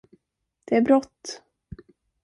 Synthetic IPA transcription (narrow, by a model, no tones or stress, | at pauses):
d̪̥ɛæɾbɾɔt̪ː